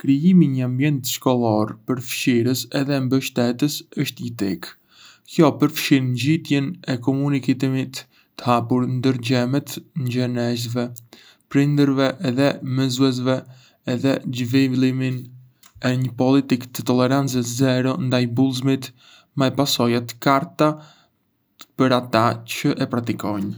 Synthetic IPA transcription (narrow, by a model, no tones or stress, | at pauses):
kɾijimiɲəambjɛnt̪ʃkɔlˠɔɾpəɾfʃiɾəsɛðɛmbəʃt̪ɛt̪əsəʃt̪it̪ɛk | kjɔpəɾfʃinɲd͡ʑit̪jɛnɛkɔmunikit̪imit̪ː | ə̥hapuɾnd̪əɾd͡ʑɛmɛt̪ɲd͡ʒɛnɛzvɛ | pɾind̪əɾvɛʔɛðɛmɛzuɛz̬vɛː | ðɛd͡ʒvilˠimin | ɛɲəpɔlit̪ikt̪ət̪ɔlɛɾant͡sɛzɛɾɔnd̪ajbulˠzmit̪ | majpasɔjat̪kaɾt̪a | pəɾat̪at͡ɕəʔɛpɾat̪ikɔɲ